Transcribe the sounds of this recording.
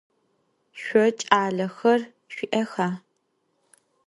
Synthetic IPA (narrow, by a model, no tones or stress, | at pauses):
ʃʷɔt͡ʃʼaːɮɐxɐr | ʃʷɪʔɐxaː